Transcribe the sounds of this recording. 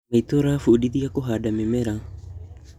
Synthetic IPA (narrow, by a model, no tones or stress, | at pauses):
ajt̪oɾafuudid̪iakoɦadamemeɾa